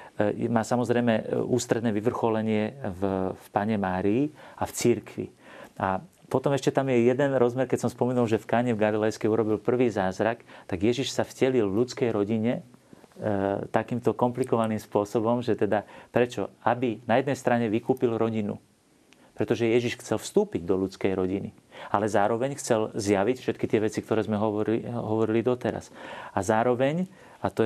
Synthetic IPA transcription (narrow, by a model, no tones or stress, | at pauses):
maːsamɔzɾɛjmɛuːst̪ɾɛd̪nɛːʋiʋr̩xɔlɛɲɪɛvfpaɲɛmaːɾiːaft͡siɾkʋḭ | apɔt̪ɔmɛʃcɛt̪amjɛjɛd̪ɛnɾɔzmɛɾkɛcsɔmspɔmɛnulʒɛfkaːɲɛvɡalilɛjskɛuɾɔbilpr̩ʋiːzaːzɾakt̪aɡjɛʒiʃsavɟɛlilʋʎut͡skɛjɾɔɟiɲɛ | t̪akiːmt̪ɔkɔmplikɔʋaniːmspʊɔsɔbɔmʒɛt̪ɛd̪apɾɛt͡ʃɔabinajɛd̪nɛjst̪ɾaɲɛʋikuːpilɾɔɟinṵ | pɾɛt̪ɔʒɛjɛʒiʃxt͡sɛlfst̪uːpiɟd̪ɔlut͡skɛjɾɔɟinḭ | alɛzaːɾɔʋɛɲxt͡sɛlzjaʋicfʃɛt̪kit̪ɪɛʋɛt͡sikt̪ɔɾɛːzmɛɦɔʋɔɾɦɔʋɔɾilid̪ɔt̪ɛɾa̰sazaːɾɔʋɛɲ | at̪ɔ